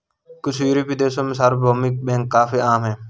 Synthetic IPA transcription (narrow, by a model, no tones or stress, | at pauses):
kʊsiːɾiːpiːd̪eːsoːmɪsaːɾboːmik̚ɓẽːŋkːaːfiːaːmɦeː